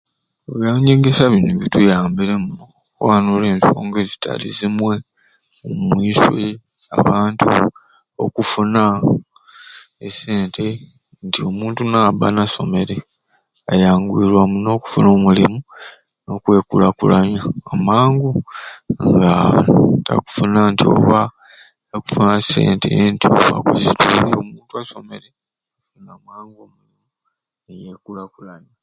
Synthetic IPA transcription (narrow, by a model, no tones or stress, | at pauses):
oβjaɲeɡesaβinuβitujaːmbiɾemuo | kwanoleːnso̰ːŋɡezitʰa̰lḭzimwe̞ | omwiːswe | a̰βaːntṵ | o̰kufuna | ese̞ːntʰe̞ | ntio̞muːntunaːβanaso̞̰me̞ɾe̞ | ajaːŋɡwiːɾwamuno̞ːku̥funo̞ːmulimu | no̞kwe̞ːkulakulaɲaamaːŋɡu | ŋɡata̰ku̥funantio̞̰βa | eku̥funase̞̰ːntḛentioβa̰kuzituɾiomuːntuaso̞me̞ɾe | unamaːŋɡomulimuu | ejeːkulakulaɲa